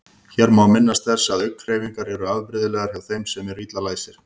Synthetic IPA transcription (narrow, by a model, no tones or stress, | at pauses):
çɛɾmawmɪnːast̪θɛsːaðœɥkkʰɾeːjviŋkaɾɛɾʏaðpɾɪðɪlɛːɣaɾ̥çjawθejmsɛmɛɾiːt̪lalaːjsɪɾ̥